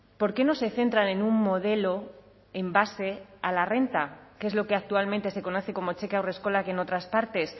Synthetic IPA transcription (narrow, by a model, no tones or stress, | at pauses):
po̞ɾke̞no̞se̞θe̞nt̪ɾanẽ̞numːo̞ð̞e̞lo̞ | embase̞alare̞nt̪akee̞zlo̞ke̞ak̚t̪ualmẽnt̪e̞se̞ko̞no̞θeko̞mo̞t͡ʃe̞keawre̞sko̞lakeno̞t̪ɾaspaɾt̪e̞s